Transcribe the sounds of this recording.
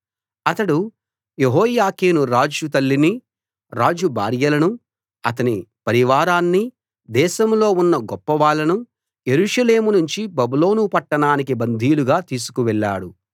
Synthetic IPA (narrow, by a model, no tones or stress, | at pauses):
ɐt̪ɐɽu | jeɦɔːjaːkeːnuɾaːd͡ʒut̪ɐlːini | ɾaːd͡ʒubʱa̰ːɾjɐlɐnu | ɐt̪ɐnipɐɾiʋaːɾaːnːi | d̪ɛːʃɐmlo̞ːunːɐɡɔpːɐʋaːɭːɐnu | je̞ɾuːʂɐle̞ːmunuɲt͡ʃibɐbulo̞ːnupɐʈːɐɳaːnikibɐnd̪ʱiːluɡaːt̪iːsu̥kuʋɛɭːa̰ːɽu